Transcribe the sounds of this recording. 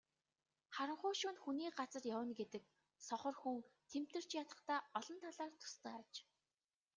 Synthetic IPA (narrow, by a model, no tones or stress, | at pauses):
χaɾə̆ɴχʊːʃuːnxuniːɢat͡sə̆rjawə̆nɡet̪ɘ̆k | sɔχɞ̆rxuŋt̪ʰem̥t̪ɘ̆r̥t͡ɕjat̪ə̆χt̪aːɔɮɞ̆nt̪ʰaɮaːrt̪ʰʊ̥st̪ʰœːat͡ɕ